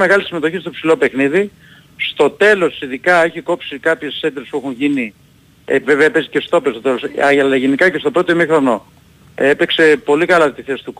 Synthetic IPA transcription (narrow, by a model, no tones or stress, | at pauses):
meɣɐlisime̞t̪o̞çist̪opsilo̞pe̞xniði | st̪o̞t̪e̞lo̞siðikɐe̞çiko̞psikɐpçe̞sed̪ɾespuexunʝini | veveɐpezice̞st̪o̞pest̪ot̪elo̞sɐlɐʝenikɐcest̪o̞pɾo̞t̪oimixɾo̞no̞ | epekse̞po̞likɐlɐt̪iθe̞si̥t̪uk